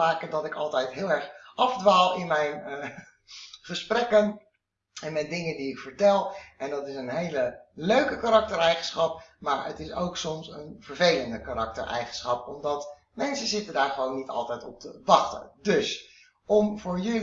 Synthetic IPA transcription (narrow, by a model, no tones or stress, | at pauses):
aːkədɑtɪkɑlˠtɛjtɦɪːlˠɛɹχʔɑvdʋaːlˠɪnmɛjn | χəsprɛkən | ɛnmɛdɪŋəndiɪkfəɹtɛlˠʔɛndɑtɪsənɦejləløɥkəkaɾɑk̚təɹɛjχənsχɑp̚maːɹə̰tɪso̰wksɔmsənv̥əɹvejləndəkarɑk̚tə̰ɹʔɛ̰jχənsχɑpɔmdɑt | mɛnsəzɪtəndaːɹχəʋownːitɑ̰lˠtɛjtɔp̚təʋɑχtə̰ndɵs | ɔmvʊːɹjɵl